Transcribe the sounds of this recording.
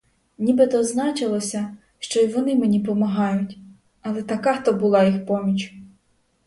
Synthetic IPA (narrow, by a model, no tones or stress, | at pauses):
nʲibet̪ɔznɑt͡ʃɪlˠɔsʲɐ | ʃt͡ʃɔjʋɔnɪmenʲipɔmɐɦɑjʊtʲ | ɐlˠɛt̪ɐkɑxt̪ɔbʊlˠɑjixpɔmʲit͡ʃʲ